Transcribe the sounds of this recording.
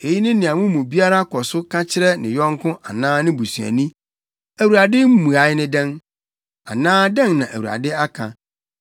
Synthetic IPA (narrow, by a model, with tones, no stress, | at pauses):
e˨ji˦nɪ̃˦nɪ̃˨ã˨mʊ̃˦mũ˨bi˦a˦ɾa˦kʰɔ˨sʊ˦kʰã˦t͡ɕʰɪ˦ɾɛ˦nɪ̰̃˨jɔ̃˦ŋ˦kʰʊ̃˦ʔa˨nãː˦nɪ̃˦bu˨su˨æ̰˨nĩ˦ | æ˨wu˨ɾa˨dɪ˦m̩˦mũ˨a˨˦jnɪ̃˦dɛ̃˦n | a̰˨nãː˦dɛ̃˦ŋnã˨ʔæ˨wu˨ɾa̰˨dɪ˦a˦kʰã̰˨